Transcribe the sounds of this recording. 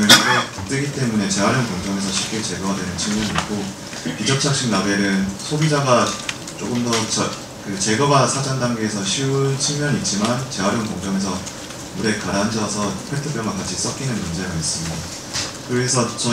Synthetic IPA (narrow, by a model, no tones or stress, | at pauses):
ɯeak͈at͈ɯɡit͈e̞mune̞t͡ɕe̞ɦwaɾjʌŋkoŋd͡ʑʌŋe̞s̬ʰʌɕʰi̥p̚k͈iɭt͡ɕe̞ɡʌɡadwe̞nɯnt͡ɕɯŋɡuniik͈o | piɡjʌp̚t͡ɕʰak̚ɕ͈iknabe̞ɾɯnsʰobid͡ʑaɡa | t͡ɕ͈oɡɯmdʌt͡ɕʌ | kɯt͡ɕe̞ɡʌɡasʰad͡ʑandaŋɡeːsʰʌɕʰiunt͡ɕʰiɭmjʌɲit̚t͡ɕ͈imant͡ɕe̞ɦwaɾjʌŋkʌŋd͡ʑʌŋe̞s̬ʰʌ | muɾe̞kaɾand͡ʑʌsʰʌpʰetʰɯp͈ʰjʌŋɡakat͡ɕʰis͈ʌk͈ʰinɯnmund͡ʑe̞ɡaes͈ɯmida | kɯɾesʰʌt͡ɕʌ